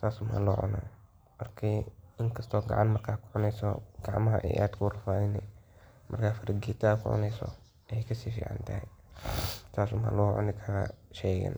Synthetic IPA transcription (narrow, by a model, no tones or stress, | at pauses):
t̪ʰaːsʊma̰lɔːʕʊ̰na̰ː | mɐrkʰiɪŋkʰɐst̪ʰɔːɡɑ̰ʕanmɐrkʰaːkʰʊʕʊnɛjsɔ̰ɡ̥ɑʕmɐɦɐ̰ʔɛ̰jʔaːd̪kʰʊrɐfaːðɪnɛmʔɐrkʰaːfɐɾɐɡiːt̪ʰɐkʰʊ̰ʕʊ̰nɛjsɔ̰ | jkʰɐsiːfḭːʕa̰nt̪ʰɐhɛ | t̪ʰaːsʊma̰lɔːʕʊ̰nɪkʰɐɾɐ̰ʃɛːɣɐ̰n